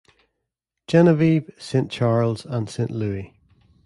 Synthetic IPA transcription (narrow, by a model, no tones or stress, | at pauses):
d̥ʒ̥ɛnəviːb̥sẽnt͡ʃʰaɹlˠz̥ə̃nsẽnʔlˠʉːɪ